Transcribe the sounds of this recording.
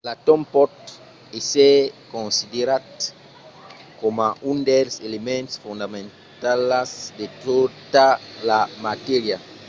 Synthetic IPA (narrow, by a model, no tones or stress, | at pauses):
lat̪ompɔt̪ | esekõnsideɾat̪ | komaʔund̪elselemẽnt̪sfund̪amẽn | t̪alasd̪et̪od̪alamat̪eɾja